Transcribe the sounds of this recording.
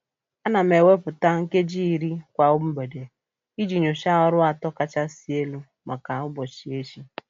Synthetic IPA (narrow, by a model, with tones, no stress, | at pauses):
a˦na˨m̩˨e˨we˦pʊ˨ta˦ŋ̩˦ke˦d͡ʒiː˦˨ɾi˦kʷa˨ʊ˦b̩˦be˨de˨ | i˦d͡ʒi˨ɲo˨ʃa˦ɔ˦ɾʊ˦a˨tɔ˦ka˦t͡ʃa˦si˨e˦lu˦ | ma˨ka˨ʊ˦bɔ˨t͡ʃi˨e˦ʃi˦